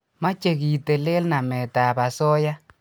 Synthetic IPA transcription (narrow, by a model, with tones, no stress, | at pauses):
ma˦t͡ʃe˨ki˨te˨le˦lna˨mɛ˨ta˨ba˨sɔ˦ja˦